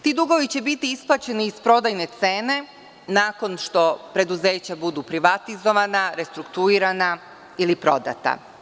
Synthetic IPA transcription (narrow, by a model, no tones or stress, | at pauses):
t̪iːd̪uɡo̞ʋit͡ɕe̞bit̪iisplˠat͡ɕe̞niːspɾo̞d̪ajne̞t̪se̞ːne̞ | naːko̞nʃt̪o̞pɾe̞d̪uze̞ːt͡ɕabud̪upɾiʋat̪izo̞ʋanaɾe̞st̪ɾukt̪uiːɾana | ilipɾo̞̰d̪a̰t̪a̰